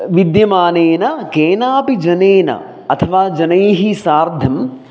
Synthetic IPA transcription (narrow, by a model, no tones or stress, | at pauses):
ʋid̪jɐmaːneːnɐkeːnaːpid͡ʒɐneːnɐ̰ | ɐt̪ʰɐʋaːd͡ʒɐnɐjɦisaːɾd̪ʱɐm